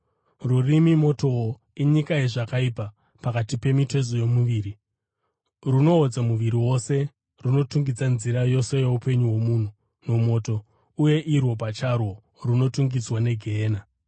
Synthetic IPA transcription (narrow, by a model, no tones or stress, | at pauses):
rurimimo̞to̞o | iɲikajeʐakaipa | pakatipe̞mite̞zojo̞muʋiːri | runo̞ːd͡zamuʋiɾiwo̞se̞ | runo̞tuŋɡid͡zanziɾajo̞se̞je̞upe̞ɲuwo̞muːn̤u | no̞mo̞to̞ | uje̞ʔirwo̞p̬at͡ʃarwo̞ | runo̞tuŋɡid͡zwane̞ɡʱeːna